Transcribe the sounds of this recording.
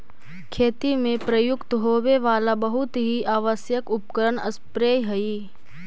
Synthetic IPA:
kʰeːt̪imẽpɾɐjʊkt̪ɦoːweʋaːlabɐɦʊt̪ɦiʔaːʋəsjəkʊp̚kəɾənɐspɾeːjɦɐiː

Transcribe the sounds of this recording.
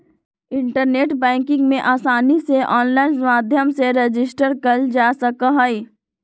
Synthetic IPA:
ɪ̃ɳʈəɾneːʈbɛ̃ːŋkɪ̃ŋɡmẽʔaːsaːniseʔɔːnlaːɪnmaːd̪ʱjəmseɾed͡ʒɪsʈəɾkəld͡ʒaːsɐkaɦəi

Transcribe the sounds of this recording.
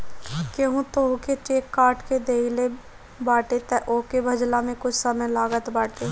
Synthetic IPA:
keɦũt̪oːuket͡ʃeːkːaːɾʈked̪eːile | baːʈet̪ɛʔoːkebʱɐd͡ʒlamẽkʊt͡ʃʰsəməjlaːɡət̪baːʈeː

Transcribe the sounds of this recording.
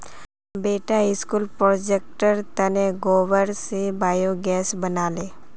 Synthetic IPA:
beːʈaɪskuːlpɾod͡ʒek̚ʈəɾt̪ɐneɡoːʋəɾsebaːjoɡɛːsbɐnaːleː

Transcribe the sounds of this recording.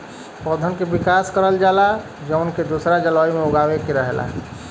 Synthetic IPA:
pɔd̪ʱənkebikaskəɾəld͡ʒala | d͡ʒəʊnked̪usɾad͡ʒəlɔjmeuɡawekeɾəɦela̰

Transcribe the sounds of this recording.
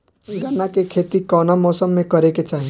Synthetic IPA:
ɡʱənakekʰeːt̪ikɔːnamɔːsəmːẽkəɾeket͡ʃaːɦi

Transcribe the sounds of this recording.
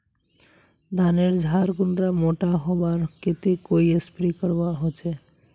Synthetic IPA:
d̪aneɾd͡ʒʱaɾɡunɖɾamoʈaɦɔbaɾket̪ekoiespɾikəɾbaɦot͡ʃʰe

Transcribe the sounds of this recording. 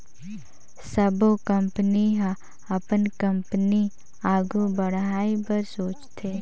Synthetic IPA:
səbokə̃mpəniɦã | ɐpənkə̃mpəni | aːɡubəɽ̤ɦaːipɐɾsoːt͡ʃt̪ʰeː

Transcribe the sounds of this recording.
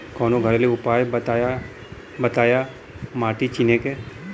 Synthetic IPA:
kɔːnoɡʱɐɾleʊpaːjbt̪aːja | bɐt̪aːja | maːʈit͡ʃineke

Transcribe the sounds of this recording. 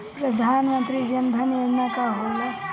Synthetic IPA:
pɾɐd̪ʱaːnmənt̪ɾid͡ʒɐnd̪ʱɐned͡ʒnakaɦola

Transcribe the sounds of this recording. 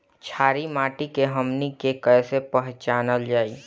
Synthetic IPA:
t͡ʃʰaːɾimaːʈikeɦəmnikekəsepəɦt͡ʃaːnəld͡ʒaːiː

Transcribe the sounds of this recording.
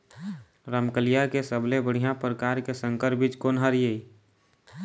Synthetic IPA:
ɾəmkəlijakesəblebəɽ̤ijãpɾəkaːɾkesə̃ŋkəɾbit͡ʃkonɦəɾjei

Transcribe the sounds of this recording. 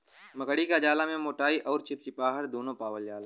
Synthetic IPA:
mɐkəɽikad͡ʒaːlamẽmoːʈaːiʔɔːɾt͡ʃʰɪp̚t͡ʃipaːɦəɾd̪oːnõpaːʋəljaːla

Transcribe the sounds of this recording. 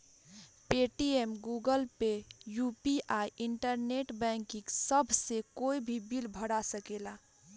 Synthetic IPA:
peʈiemɡuɡəlpejupiʔaiiɳʈəɾneʈbɛ̃ŋkĩŋksəbʱsekoibʱibilbʱəɽasəkela

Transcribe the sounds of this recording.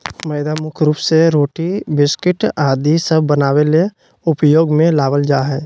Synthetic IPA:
məɪd̪amʊkʰɾuːpseɾoːʈibɪskɪʈaːd̪isəbʱːənaːwele | ʊpjoːɡmẽlaːʋəld͡ʒaːɦɛː

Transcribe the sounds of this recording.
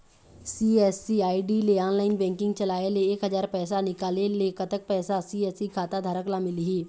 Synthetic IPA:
siɛːsiaːiɖileaːnlaːɪnbɛ̃ːŋkɪ̃ŋɡt͡ʃɐlaːeleːkɦəzaːɾpɛːsanɪkaːlelekət̪ək̚pɛːsasiːɛːsikʰaːt̪ad̪ʱaːɾəklamɪliɦiː

